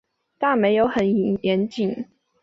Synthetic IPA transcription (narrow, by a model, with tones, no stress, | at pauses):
t̪a˥˨me˨˧˦ɪjo˧˦ʊxə˨˦ni˨ŋjɛ˨˦nt͡ɕi˨˩˦ŋ